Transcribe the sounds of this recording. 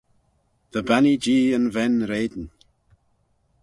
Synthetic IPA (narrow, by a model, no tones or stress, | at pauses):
ðəbanid͡ʒiːə̃nvɛnɾeːd̪n̩